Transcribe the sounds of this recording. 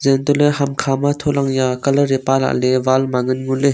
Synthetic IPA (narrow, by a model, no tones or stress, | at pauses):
zɛnt̪ulɛɦamkʰamat̪ʰolaŋjakɐlɾepala̰ʔlɛvalmaŋɯnŋulɛ